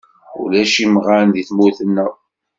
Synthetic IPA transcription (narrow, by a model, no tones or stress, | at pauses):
ṵlæʃimʁaɾnd̪iθmuθənːæ